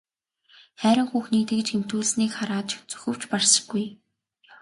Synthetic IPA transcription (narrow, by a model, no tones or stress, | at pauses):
χæːɾʲɪ̆ŋxuːxniːt̪ɘ̆kt͡ɕxem̥t̪uːɮsniːkχaɾaːt̪t͡ɕt͡sɵ̥xɘ̆w̥t͡ɕparsə̥̆ɡːuj